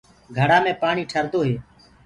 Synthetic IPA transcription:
ɡʱəɽaːmẽːpaːɳiːʈʰəɾd̪oːɦeː

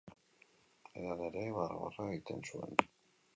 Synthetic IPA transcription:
eðaneɾeβarɣo̰raeɣit̪e̞nsue̞̰n

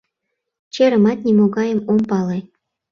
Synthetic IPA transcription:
t͡ɕeɾə̆mɑt̪̚nʲimoɡɑjə̆mompɑlˠɤ̆

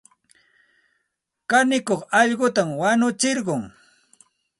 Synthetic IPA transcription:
kanɪkoχɑʎɢʊt̪amwanʊt͡ʃɪɾɢʊŋ

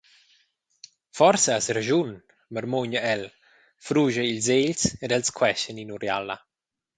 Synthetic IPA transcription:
fɔrsaasɾaʒun | məɾmoɲəɛl | fɾuʒəilzeʎsedɛlskʰwɛʃəninuɾja̰la

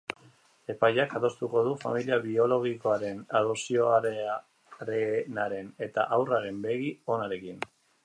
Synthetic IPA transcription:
e̞pajakaðo̞st̪uko̞ðufa̰miliaβio̞lo̞ɣiko̞aɾe̞naðosio̞aɾ | ɾenaɾe̞ne̞t̪a̰ʔawraɾe̞mbe̞ɣio̞naɾe̞kin

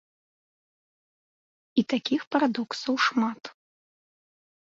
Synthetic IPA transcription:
it̪akʲixpɐɾad̪ɔksɐwʂmat̪

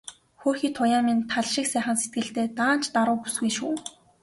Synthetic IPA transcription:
xoːrxiːt̪ʰːʊjaːmiːnt̪ʰaɮʃɪ̆ksæːχə̆nse̥t̪̚ɡɘ̆ɬt̪eːt̪aːn̥t͡ɕt̪aɾʊːpusɡujʃuː

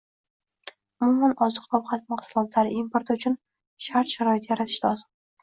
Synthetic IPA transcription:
ʊmʊmanɒzɨqɒwqʰɑt̪̚maqsʊlˠɒt̪ʰlaɾɪʔimpʰoɾt̪ʰʊt͡ʃʰʊn | ʃaɾt̪ʃaɾɒɪt̪jaɾat̪ʰɪ̥ʃlɒzɪm

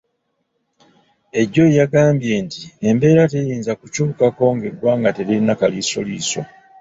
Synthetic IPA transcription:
e̞ɟːo̞jaɡaːmbje̞ːntie̞mbe̞ːɾate̞jiːnzakucuːukako̞ŋɡe̞ɡwaːŋɡate̞ɾinakaliso̞̰liːso̞̰

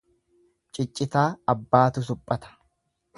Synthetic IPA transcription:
t͡ʃʼɪt͡ʃʼːɪt̪aːɐbːaːt̪ʊs̬ʊpʼːɐt̪ɐ̥

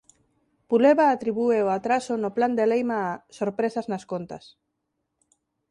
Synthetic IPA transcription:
puleβaːt̪ɾiβueoat̪ɾasonopland̪elejmaːsoɾpɾesaznaskont̪as

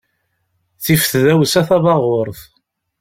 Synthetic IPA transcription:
θifθðæwsæθɑðɑʁoɾˤθ

